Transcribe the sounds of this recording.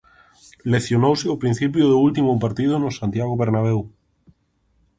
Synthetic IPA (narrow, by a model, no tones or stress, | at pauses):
leθjonowsɪʊpɾin̟θip̬joðoult̪imʊp̬aɾt̪ið̞ʊnʊsant̪jaɣoβeɾnaβ̞ew